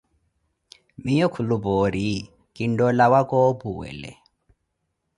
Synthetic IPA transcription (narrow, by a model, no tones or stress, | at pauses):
mijɔkʰulubɔɾi | kʼindɔlawakʼɔbuwɛ̰lɛ̰